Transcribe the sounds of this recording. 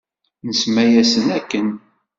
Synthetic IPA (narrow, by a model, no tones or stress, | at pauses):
nəsmæjæsənækːən